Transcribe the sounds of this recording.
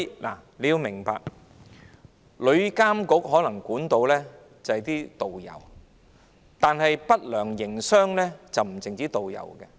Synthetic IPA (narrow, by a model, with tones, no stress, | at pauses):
la̰ː˨˩le˨˧jiː˧wmɪ˨˩ŋpa̰ː˧˨k̚ | lɵ˨˧ɥkaː˥mkʊ˨˥k̚ɦɔː˨˥lɐ˨˩ŋkuː˨˥nt̪o˧wlɛː˥ | t͡sɐ˨hɐ˨jt̪iː˥t̪o˨wjɐ̰˨˩w | t̪aː˨˧nɦɐ˨jpɐ˥t̚lœː˨˩ŋjɪ˨˩ŋsœː˥ŋlɛː˥t͡sɐ˨wm̩˨˩t͡sɪ˨ŋt͡siː˨˥t̪o˨wjɐ̰˨˩wkɛ˧